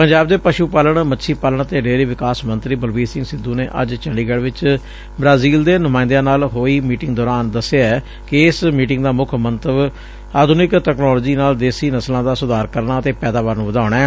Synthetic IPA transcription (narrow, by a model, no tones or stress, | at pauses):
pəɲd͡ʒaːb̚d̪eːpəʃuːpaːləɳmətːʃʰiːpaːləɳ̃ət̪eːɖeːɾiːʋɪkaːsmənt̪ɾiːbəlʋiːsɪ̃ŋɡsɪd̪ːũːneːʔə̰d͡ʒt͡ʃəɳɖiːɡɛːɽʋɪt͡ʃ | bɾaːziːld̪eːnʊmãːɪnd̪jãːnaːlɦoːiːmiːʈɪŋɡd̪ɔːɾaːnd̪əsːeaɛː | kɪɪsmiːʈɪŋɡd̪aːmʊkʰmə̃nt̪əb | aːd̪ʱʊnɪkʈɛːknɔːlːd͡ʒiːnaːld̪eːsiːnəslãːd̪aːsʊd̪aːɾkəɾnaːət̪eːpɛːd̪aːʋaːɾnũːʋəd̪aːʊɳ̃ɛː